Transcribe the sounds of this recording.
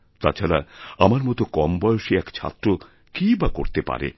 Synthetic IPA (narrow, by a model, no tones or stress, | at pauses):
t̪a̰t͡ɕʰaɾaamaɾmɔt̪okɔmbɔjoʃeɛkt͡ɕʰa̰t̪ːɾo | kibakoɾt̪epa̰ɾḛ